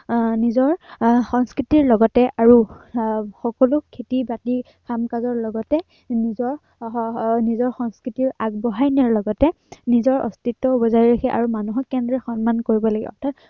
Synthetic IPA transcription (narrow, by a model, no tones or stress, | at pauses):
nizɔɹxɔŋskɹitiɹlɔɡɔtɛʔaɹu | xɔkɔlukʰːetibati | kʰamkazɔɹlɔɡɔtɛ | nizɔɹ | nizɔɹxɔŋskɹitiɹaɡbɔɦajnaɹlɔɡɔtɛ | nizɔɹɔ̰stitːɔubɔzajɹakʰɛʔa̰ɹumanuɦɔkːɛndɹɛxɔnmankoɹibɔlaɡɛ̰ɔ̰ɹtʰat̚